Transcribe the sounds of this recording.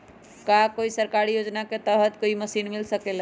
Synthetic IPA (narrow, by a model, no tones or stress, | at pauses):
kakoisəɾkaɾijod͡ʒnaket̪əɾɦət̪koiməsinmilsəkel